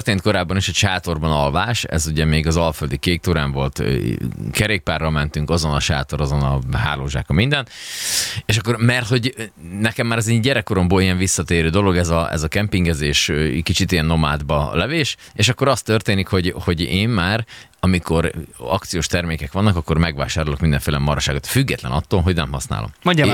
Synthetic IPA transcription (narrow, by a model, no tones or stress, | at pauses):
rt̪eːnt̪ko̞ɾaːbːɒniʃɒʃaːt̪o̞rbɒnɒlvaːʃɛ̰zuɟɛmeːɡɒzɒlføld̪ikeːk̚t̪oːɾaːɱvo̞lt̪ | kɛɾeːk̚paːrːɒmɛnt̪yŋkɒzo̞nɒʃa̰ːt̪o̞ɾɒzo̞nɒɦa̰ːlo̰ːʒa̰ːkɒmind̪ɛn | eːʃɒkːo̞rmɛrt̪ho̞ɟnɛkɛmːaːɾɒzeɟɛɾɛkːoɾo̞mboːlijɛɱvisːɒt̪eːɾøːd̪o̞lo̞ɡɛzɒʔɛ̰zɒkɛmpiŋɡɛzeːʃkit͡ʃit̪ijɛnːo̞ma̰ːd̪bɒlɛveːʃ | eːʃɒkːoɾɒst̪ø̞rt̪eːnikho̞ɟho̞ɟeːmmaːɾ | ɒmiko̞ɾɒk̚t̪sijoːʃt̪ɛrmeːkɛkʋɒnːɒkɒkːo̞rmɛɡʋa̰ːʃaːɾolokmind̪ɛ̰̃ɱfeːlɛmɒɾɒʃaːɡo̞t̪fyɡːɛt̪lɛ̰nɒt̪ːoːlɦo̞ɟnɛmɦɒsna̰ːlo̰mmo